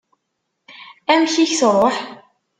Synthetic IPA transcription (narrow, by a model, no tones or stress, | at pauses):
æmçiçsrˤoħ